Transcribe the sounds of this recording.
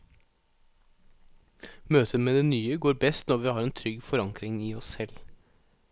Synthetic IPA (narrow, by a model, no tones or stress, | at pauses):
møːt̪ʰəmeːd̪eːnyːəɡoːɾbɛst̪nɔɾʋiːhɑːɾeːnt̪ʰɾʏɡfɔɾɑŋkɾɪŋiːɔsɛl